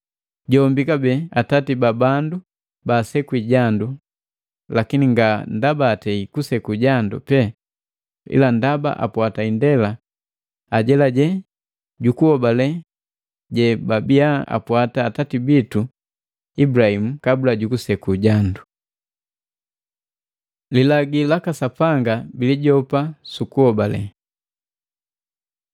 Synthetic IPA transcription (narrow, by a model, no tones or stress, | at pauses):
ɟɔmbikabɛatatibabandu | basɛkuiɟandu | lakiniŋɡandabaːtɛikusɛkuɟandṵpɛ | ḭlandaba̰ʔa̰pwataindɛla | aɟɛlaɟɛ | ɟukuɔbalɛ | ɟɛbabiaa̰pwataːtatibitu | ibuɾahimukabulaɟukusɛkuɟandu | lilaɡilakasapaŋɡabiliɟɔpasukuhɔbalɛ̰